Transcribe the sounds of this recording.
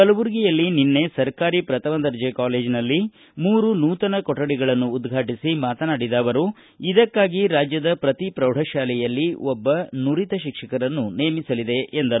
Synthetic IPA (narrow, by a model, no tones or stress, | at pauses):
ɐlɐʋuɾɡijɐlːininːe̞sɐɾkaːɾipɾɐt̪ɐʋɐnd̪ɐɾd͡ʒekaːle̞ːd͡ʒnɐlːi | muːɾunuːt̪ɐnɐkɔʈːɐɽiɡɐɭɐnːuːd̪ɡʱaːʈisimaːt̪ɐnaːɽid̪aːʋɐɾu | id̪ɐkːaːɡiɾaːd͡ʒjɐd̪ɐpɾɐt̪ipɾɐwɽ̤ʱɐʃaːlɛjɐlːiɔbːɐnuɾit̪ɐʃikʂɐkɐɾɐnːuneːmisɐlid̪e̞ʔend̪ɐ